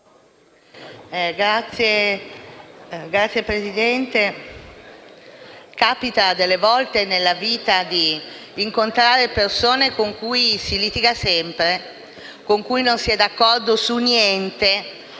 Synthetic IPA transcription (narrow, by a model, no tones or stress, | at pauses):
ɛɡɾat̪sːje | ɡɾat̪sːjepɾezid̪ɛnt̪e | kaːpit̪ad̪elːevɔlt̪enelːaviːt̪ad̪iːŋkont̪ɾaːɾepersoːnekoŋkujsilit̪iɡasɛmpɾe | koŋkujnonsiɛd̪akːɔrd̪osunjɛnt̪e